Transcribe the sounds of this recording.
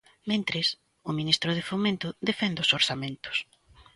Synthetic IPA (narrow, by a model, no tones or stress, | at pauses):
mẽnt̪ɾɪs | ʊminist̪ɾʊð̞efomẽnt̪ʊðefɛnd̪osoɾsamẽnt̪ʊ̥s